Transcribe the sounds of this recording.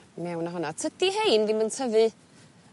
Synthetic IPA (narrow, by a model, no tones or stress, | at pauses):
mɛwnaɦɔnat͡sʰədiɦejnvimənt͡sʰəvɨ